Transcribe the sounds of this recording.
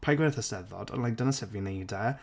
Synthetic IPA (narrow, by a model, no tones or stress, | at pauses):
pʰajɡwɛθəsɛðɔ̰də̰nlajk̚d̥ənasɛpvinejdɛ